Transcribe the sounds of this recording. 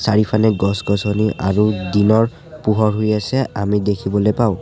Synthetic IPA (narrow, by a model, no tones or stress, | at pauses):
saɹipʰanɛɡɔsɡɔsɔniʔa̰ɹudinɔɹ | puɦɔɹɦojasɛamidekʰibɔlojpaʊ̃